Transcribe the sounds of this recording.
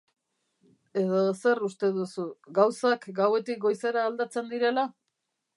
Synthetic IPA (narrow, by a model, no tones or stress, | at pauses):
e̞ð̞ose̞rust̪e̞ð̞usuɡawsakɡawe̞t̪ik̚ɡo̞jse̞ɾaːld̪at͡se̞nd̪iɾe̞la